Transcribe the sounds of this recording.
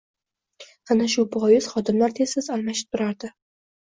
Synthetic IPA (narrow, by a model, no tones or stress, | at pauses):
anaʃʊbɒjɪz̥χɒd̪ɪmlaɾt̪ʰesɪzalˠmaʃɪ̥p̚t̪ʰʊɾaɾd̪ɪ